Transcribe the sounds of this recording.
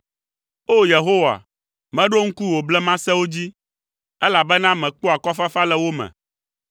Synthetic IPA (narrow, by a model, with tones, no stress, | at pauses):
o˦je˨ɦo˦wa̰˨ | mɛ̃˦ɖo˦ŋ̩˦ku˦wo˨blɛ˦mã˦sɛ˦wo˦d͡ʑi˦ | ɛ˦la˨bɛ˦nã˦mɛ̃˨k͡po˦a˨kɔ˦fa˦fa˦lɛ˦wo˦mɛ̰̃˨